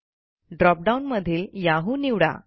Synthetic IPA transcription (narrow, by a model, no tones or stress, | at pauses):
ɖɾɔp̚ɖaunməd̪ʱiːljaɦuːniwɽa̰